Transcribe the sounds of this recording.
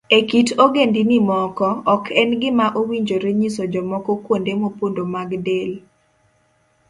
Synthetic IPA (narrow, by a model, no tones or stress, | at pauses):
ekitoɡendinɪmɔkɔɔkʰɛnɡɪmaʔowiɲd͡ʒoɾeɲisod͡ʒɔmɔkɔkwondemopondomaɡdel